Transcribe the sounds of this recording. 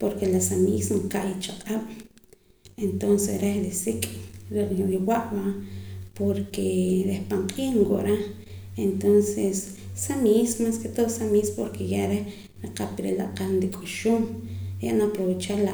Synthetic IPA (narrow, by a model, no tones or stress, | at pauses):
poɾkelasamisnaŋkaʔjit͡ʃaqʼaɓ̥ | ent̪onsesɾehɾesikʼɾiɾiwaʔbapoɾkeɾehpaɴqʼiːχŋko̰ʔɾa | ent̪onsesː | amismasket̪oχsamispoɾkʰejaɾeh | ɾiqapiɾḛla̰ʔqalnd̪ikʼuʃumɾja̰ʔnapɾowet͡ʃaɾla